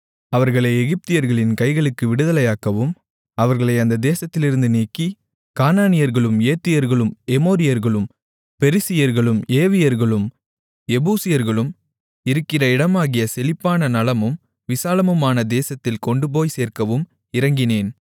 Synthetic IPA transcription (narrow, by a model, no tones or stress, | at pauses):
ɐʋɐɾɣɐɭɐɪɛɣɪp̚t̪ɪjɐɾɣɐɭɪnkɐɪɣɐɭɯkːɯʋɪɽɯðɐlɐjaːkɐʋɯm | ɐʋɐɾɣɐɭɐɪɐnd̪ɐd̪eːsɐt̪ːɪlɪɾɯnd̪ɯniːkːi | kaːnaːnɪjɐɾɣɐɭɯmeːt̪ːɪjɐɾɣɐɭɯmɛmoːɾɪjɐɾɣɐɭɯm | pɛɾɪsɪjɐɾɣɐɭɯmeːʋɪjɐɾɣɐɭɯm | ɛbuːsɪjɐɾɣɐɭɯm | ɪɾɯkːɪrɐɪɽɐmaːɣɪjɐsɛlɪpːaːnɐnɐlɐmɯm | ʋɪsaːlɐmɯmaːnɐd̪eːsɐt̪ːɪlkɔɳɖɯp̬oːjseːrkɐʋɯm | ɪɾɐŋɡɪneːn